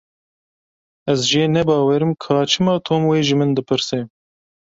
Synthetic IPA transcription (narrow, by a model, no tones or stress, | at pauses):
ɛzʒeːnɛbɑːwɛɾɨmkʰɑːt͡ʃʰɨmɑːt̪ʰoːmweːʒɨmɨnd̪ɨpʰɨɾseː